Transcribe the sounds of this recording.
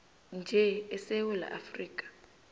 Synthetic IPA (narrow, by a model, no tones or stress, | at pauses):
nd͡ʒʱɛɛsɛwɛla̰ʔafriːk̬ʼḁ